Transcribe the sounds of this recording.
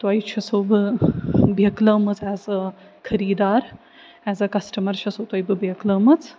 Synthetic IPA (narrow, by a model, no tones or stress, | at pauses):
t̪ɐjt͡ʃʰɐsobɨ | bjɐklɐːmɐt͡sɛːzɐ | kʰɐɾiːd̪aːɾ | ɛːzɐkɐsʈɐmɐɾt͡ʃʰɐsot̪ɐjbɨbjɐklɐːmɐt͡s